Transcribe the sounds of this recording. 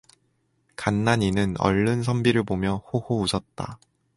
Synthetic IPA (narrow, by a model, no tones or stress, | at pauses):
kanːaɲinɯnʌ̰ɭːɯnsʰʌmbiɾɯɭbomjʌhohousʰʌt̚t͈a̰